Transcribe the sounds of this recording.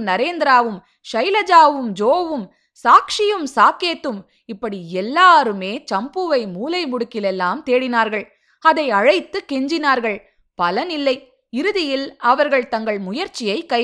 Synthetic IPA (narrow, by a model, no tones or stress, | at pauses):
nɐɾeːnd̪ɪɾaːʋɯm | ʂɐɪlɐd͡ʒaːʋɯmd͡ʒoːʋɯm | saːkʂɪjɯmsaːkeːt̪ːɯm | ɪpːɐɽiɛlːaːɾɯmeːt͡ʃɐmbɯʋɐɪmuːlɐɪmʊɽɯkːɪlɛlːaːmt̪eːɽɪnaːɾɣɐɭ | ɐðɐɪɐɻɐɪt̪ːɯkɛɲd͡ʒɪnaːɾɣɐɭ | pɐlɐnɪlːɐɪ | ɪɾɯðɪjɪlɐʋɐɾɣɐɭt̪ɐŋɡɐɭmʊjɐɾt͡ʃːɪjɐɪkːɐɪ